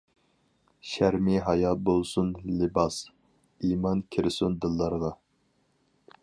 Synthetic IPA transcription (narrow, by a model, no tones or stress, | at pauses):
ʃæɾmiɦɑjɑlbolˠsunlɪbɑs | imɑnkʲʰiɾɪsund̪ɨlˠːɑɾʁɑ